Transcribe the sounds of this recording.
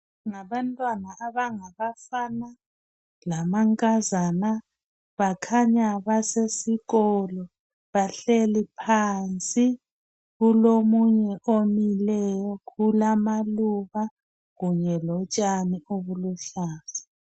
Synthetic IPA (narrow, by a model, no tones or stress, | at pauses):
ŋaβantʼwanaʔaβaŋaβafana | lamaŋkʼazana | βakʰaɲaβasesiɣɔlɔ | βaɬelipʰaːnt͡sʼi | ɣulomuɲɛʔomilɛjɔkʰulamaluβa | ɣuɲɛlɔt͡ʃʼanioβuluɬaːzḁ